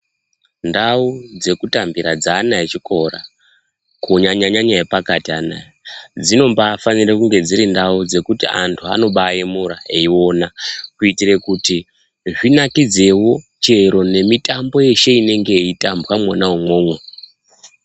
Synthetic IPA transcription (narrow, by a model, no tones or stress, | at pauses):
ndaud͡ze̞kutambiɾad͡zaːnaet͡ʃiko̞ra | kuɲaɲaɲaɲajepakatiana̰ed͡zino̞mbaːfanirekuŋɡe̞d͡ziɾindaud͡ze̞kutia̰ntʰua̰no̞ɓajemuɾaeio̞nakuitire̞kuti | ʐinakid͡ze̞wo̞t͡ʃe̞ɾo̞ne̞mitambo̞je̞ʃe̞ine̞ŋɡe̞itambwamwanaumwo̞ːmwe